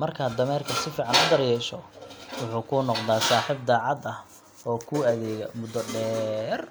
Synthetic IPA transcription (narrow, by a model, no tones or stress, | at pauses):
mɐrkʰaːd̪ɐmɛːrkʰɐsɪfiːʕɑnʊd̪ɐɾjɛːʃɔwʊħuːkʰʊːnɔqðaːsaːħiːb̚d̪aːʕɑd̪ɐh | ɔːkʰuːɐðɛːɣɐmʊd̪ɔɖɛːr